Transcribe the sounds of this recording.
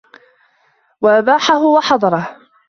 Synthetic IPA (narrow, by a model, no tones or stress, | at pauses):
waʔabaːħaɦʊwɑħɑd̪ˤɑɾˤɑh